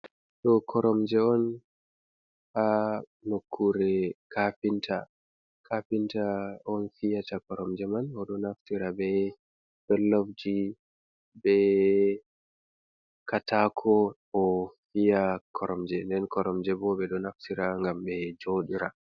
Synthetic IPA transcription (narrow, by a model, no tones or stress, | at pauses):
ɗɔkʰɔɾɔmd͡ʒɛɔn | haː | okʰːuɾɛkafintʰa | kʰafintaɔnfijatakɔɾɔmd͡ʒɛmanɔɗɔnaftiɾabɛ | bɛlːofd͡ʒi | bɛ | katakʰɔ | ɔfijakʰɔɾɔmd͡ʒɛndɛnkɔɾɔmd͡ʒɛbɔbɛɗɔnaftiɾaŋɡambɛd͡ʒoɗiɾa